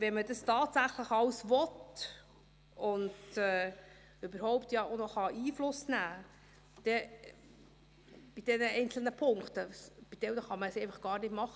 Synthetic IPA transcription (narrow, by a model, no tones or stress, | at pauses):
vɛnmədɑstɑːtsæχləχɑwsvɔt | ʊnd̥ɛː | ʏbəɾhɔʊpt̪jɑʔonɔχɑʔiːflʊsnæː | d̪̥ɛ | b̥id̥ɛnəɛɪnt͡sl̩nəpʰʊŋktəb̥id̥ɛwnəχɑməsɛɪfɑχɡ̥ɑːɾnɪtmɑχə